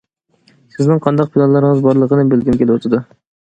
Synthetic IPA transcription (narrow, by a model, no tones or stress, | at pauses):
sɪznɪŋqʰɑnd̪ɑq̚pʰɪlˠɑnlˠɑɾɪŋɨzbɑɾlˠəqənɪbelˠɡʲɪnkʲʰelɪwɑt̪ʰɪd̪ʊ